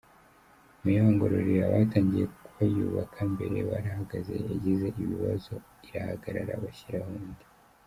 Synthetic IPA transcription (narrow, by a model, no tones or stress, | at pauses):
mujoːŋɡo̞ɾoɾijaβataːɲɟije̞kkuβajuːβakʰambe̞ɾe̞waɾahaɡaze̞̰aɟize̞ʔiβiβazo̞ | iɾahaɡaɾaɾa̰βaçiɾahuːndi̥